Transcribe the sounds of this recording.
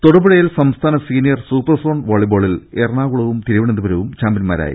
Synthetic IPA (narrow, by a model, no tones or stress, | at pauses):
t̪oɽɐbɐɽɐjilsɐmst̪ʰaːnɐsiːnijɐrsuːpːɐrso̞ːɳɖʋoːɭibo̞ːɭileːrɳaːɣuɭɐʋumt̪iɾiʋiɳend̪ubɐɾɐʋumt͡ɕaːmbinma̰ːɾa̰ːjḭ